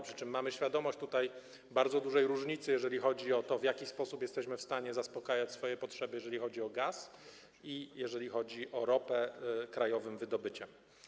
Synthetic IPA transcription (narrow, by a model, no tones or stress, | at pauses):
pʂɘ̥t͡ʂɘmːamɘɕfʲjad̪ɔmɔɕt͡ɕt̪ut̪aj | baɾd̪zɔd̪uʐɛjɾuʐɲit̪sɘjɛʐɛlʲixɔd͡ʑiɔt̪ɔvʲjakʲispɔsupjɛst̪ɛɕmɘfst̪aɲɛzaspɔkajat͡ɕsfɔjɛpɔtʂɛbɘjɛʐɛlʲixɔd͡ʑiɔɡas | ijɛʐɛlʲixɔd͡ʑiʔɔɾɔpɛkɾajɔvɘmvɘd̪ɔbɘt͡ɕɛm